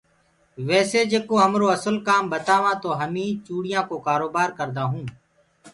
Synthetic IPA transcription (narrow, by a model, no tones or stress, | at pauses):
ʋɛːseːd͡ʒeːkoːɦəmɾoːəsəlkaːmbət̪aːʋãːt̪oːɦəmĩːt͡ʃuːɽɪjãːkoːkaːɾoːbaːɾkəɾd̪aːɦũː